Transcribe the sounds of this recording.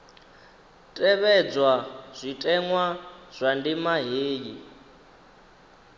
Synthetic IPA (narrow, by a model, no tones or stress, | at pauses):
tʼɛβɛd͡zwaz̥ʷitʼɛŋwaz̥ʷandimaɦeːji